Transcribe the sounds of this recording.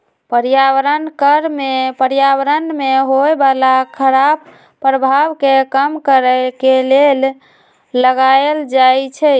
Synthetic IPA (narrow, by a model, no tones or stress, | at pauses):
pəɾijaʋɾənkəɾmepəɾjawəɾənmeɦoebalakʰəɾab̚ | pːɾəbʱaβkekəmkəɾəkelelː | əɡaeld͡ʒajt͡ʃʰɛ